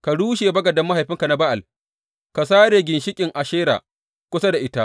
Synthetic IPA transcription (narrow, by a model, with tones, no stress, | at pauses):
ka˨ɽuː˦ʃeː˨bɐ˦ɡɐ˨dɐ˦mːa˦ɦa˨jɸɪ˦ŋka˨na˦ba˦ʔa˨l | ka˨s̬aː˦ɽeː˨ɡʲɪ˨nʃɪ˦kʲʼɪ˨ŋʔa˨ʃeː˦ɾa̰ː˨ | kʷʊ˦sa˦da˨ʔɪ˦ta˦ʔ